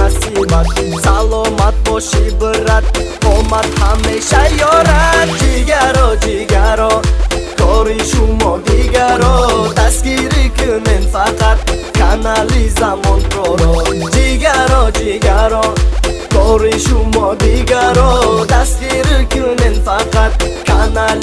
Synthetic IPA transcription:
asibat̪salˠɔmat̪̚bɔʃibɨɾat̪̚komat̪hameʃajɔɾat̪̚d͡ʒiɡaɾɔd͡ʒiɡaɾɔk̪ʰɔɾiʃumɔd̪iɡaɾɔt̪ʰaskiɾɪkʰynenfaqat̪̚kʰanalizamɔnt̪ɾɔɾɔd͡ʒiɡaɾɔd͡ʒiɡaɾɔkʰɔɾiʃumɔd̪iɡaɾɔt̪askiɾikunenfaqat̪̚kʰana

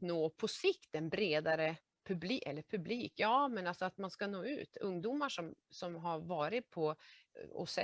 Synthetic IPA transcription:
noːpʰɔsɪkt̪ɛnbɾeːd̪aɾə | pʰɵbliːʔɛ̰lːəɾpʰɵbliːkjɑːmɛnalsɔat̪manskanoːʉ̟̰ːt̪ɵŋd̪uːmaʂɔmsɔmɦaɾvɑːɾɪt̪̚pʰɔ | ɔ̰sɛ

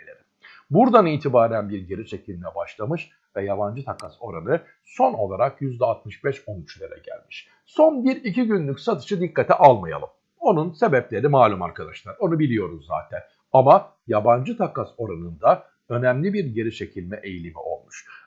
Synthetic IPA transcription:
lʲḛɾʲim | buɾd̪aniːt̪ʰibaːɾænbiɾɟe̞ɾiʃe̞cʰilʲmɛbaʃlˠamɯʃ | vɛjaband͡ʒɯt̪ʰakaso̞ɾanɯ | so̞no̞̰lˠaɾakjyzd̪ɛat̪̚mɯʃbɛʃo̞nyt͡ʃlʲˠeɾɛ̰ɟæ̰lʲmi̥ʃ | so̞nbiɾiciɟynlʲycsat̪ʰɯ̥ʃɯd̪ikːat̪ʰɛʔalˠmaja̰lˠɯm | o̞nunse̞bɛplʲe̞ɾimaːlʲuma̰ɾkʰad̪aʃlˠaɾo̞nubilʲijo̞ɾuzza̰ːt̪ʰæn | ama | jaband͡ʒɯt̪ʰakaso̞ɾanɯnd̪a | ø̞næmlʲibiɾɟe̞ɾiʃe̞cʰilʲmɛʔejlʲimḭʔo̞̰lˠmuʃ

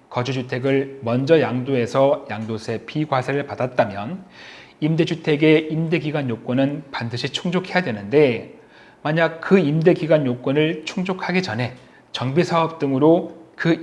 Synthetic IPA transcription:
kʌd͡ʑud͡ʑutʰe̞ɡɯɭmʌnd͡ʑʌjaŋdoe̞sʰʌjaŋdosʰe̞pʰiɡwasʰeɾɯɭpadat̚t͈amjʌn | imde̞d͡ʑutʰe̞ɡe̞imde̞ɡiɡwaɲjok͈ʌnɯnpandɯɕʰit͡ɕʰuŋd͡ʑokʰe̞jadwe̞nɯnde̞ | maɲak̚kɯimde̞ɡiɡwaɲjok͈wʌnɯɭt͡ɕʰuŋd͡ʑokʰaɡid͡ʑʌnɦe̞ | t͡ɕʌŋbisʰaʌp̚t͈ɯŋɯɾokɯ

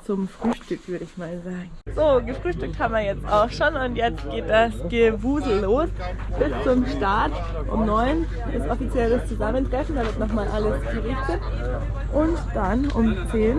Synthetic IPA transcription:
t͡sʊmfʁ̥yːʃtʏkv̥ʏɐɾəɪçmaːlzaːɡŋ̩z̥oːɡəfʁ̥yːʃtʏk̚thaːbm̩viɐjɛt͡staʊxʃoːnʊntjɛt͡st̚ɡ̥eːt̚d̥asɡ̥əvuːzl̩ːoːs | b̥ɪst͡sʊmʃtaɐt | ʔʊ̰mnɔʏn | dɪsʔɔfit͡sjɛləst͡suzaməntʁ̥ɛfn̩daːvɪɐtnɔχmaːlʔaləsɡ̥əʁɪçtət | ʔʊntd̥anʔʊ̰mt͡seːn

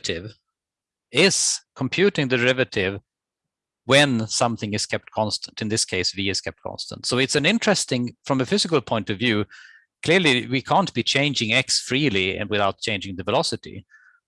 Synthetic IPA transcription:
ɾʰɪv | ɪz̥kʰmpʰj̥ʉɾɪ̃ŋðɨɹɪvɨɾɪv | wɨ̃nsʌ̃mθɪ̃ŋɨz̥kʰɛp̚t̚kʰɑ̃nstə̥̃n̩tɨ̃nðɪskʰeɪsviɨz̥kʰɛp̚t̚kʰɑ̰̃nstə̰̃ntsoʊɨtsɨ̃nɪ̃ntɹ̥ɛstɪ̃ŋfɹʌ̃mɨfɪzɨkəl̩ˠpʰɔ̃ɪ̃ntʌvjʉ | kʰl̥ɪɹliwikʰæ̃ntb̥it͡ʃʰẽɪ̃nd͡ʒɪ̃ŋɛksfɹiliɨ̰̃nwɨθaʊt̚t͡ʃʰẽɪ̃nd͡ʒɪ̃ŋðɨvəlɑsɨɾḭ

